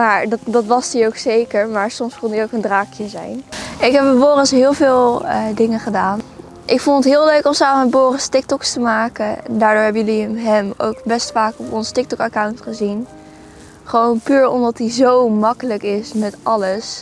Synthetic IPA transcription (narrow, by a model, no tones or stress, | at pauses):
maːɹdtdɑtʋɑsdiowksejkəɹmaːɹsɔmskɔndiowkəndraːkjəzɛ̰jnɪkɦɛp̚əboːrəsɦɪːlˠvɪːlˠdɪŋəχədaːn | ʔɪkfɔndətɦɪːlˠøɥkɔmsaːməmɛboːrəstɪk̚tɔkstəmaːkən̰ndaːɹdʊːɹɦɛbəjɵliəmɦɛmo̰wkbɛstfaːkɔpɔnstɪk̚tɔkɑkawntχəzin | χəʋownpyːɹɔ̰mdɑtizowmɑkələkɪsmɛtʔɑləs